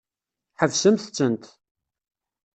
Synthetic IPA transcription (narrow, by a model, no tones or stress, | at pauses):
ħəvsəmθət͡sːənt̪